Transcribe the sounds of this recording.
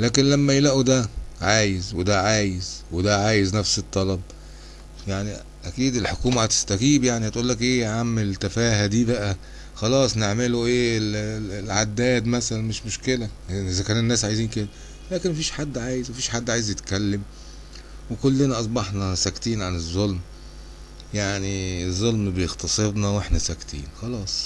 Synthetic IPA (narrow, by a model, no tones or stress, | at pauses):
læːkenlæmːæjelæʔud̪æʕaːjezwed̪æʕaːjezwed̪æʕaːjeznæfset̪ˤːɑlɑb̚ | jaʕni | ʔækiːd̪elħokuːmæhæt̪e̥st̪æɡiːbjaʕnihæt̪ʔuːlːækʔeːʕamːelt̪æfæːhæd̪iːbæʔæ | xɑlɑːsˤneʕmeloʔeːllʕad̪ːæːd̪mæsælænmeʃmoʃkelæʔezækæːnenːæːsʕajziːnked̪æ | læːkenmæfiːʃħad̪ːʕaːjezwæfiːʃħad̪ːʕaːjezjet̪kælːem | wekolːenæʔɑs̬ˤbɑħnɑsækt̪iːnʕanezˤːolm | jaʕniezˤːolmbejext̪ɑsˤebnɑweħnæsækt̪ḭːnxɑlɑːsˤ